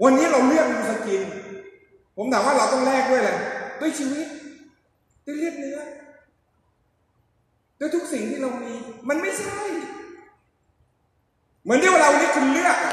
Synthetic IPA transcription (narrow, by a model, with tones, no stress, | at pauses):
wa˧nːiː˦˥ɾa˧wlɯ˥˩ək̚ma˧˩a˧ki˧n | pʰo˩˦mt̪ʰaː˨˦waː˥˩ɾa˧wt̪ɔ˥˩ŋlɛː˥˩k̚du˥˩jla˧˩d̪u˧˥˩əjt͡ɕʰiː˧wi˦˥t̪̚ | d̥̪u˧˥˩jli˥˩ət̪̚nɯ˦˥ɐ | d̪u˧˥t̪ʰu˦˥k̚si˨˩ŋt̪ʰiː˥˩ɾa˧wmiː˧ma˧nma˥˩jsʰa˥˩j | mɯ˩˦ənd̪waː˧ɾa˧wa˧ni˦˥˩k̪ʰu˧n˧nɯ˦˥ɐ˨˩